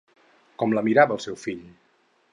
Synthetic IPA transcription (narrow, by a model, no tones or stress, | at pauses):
kɔmləmiɾaβəːlˠsɛwfiʎ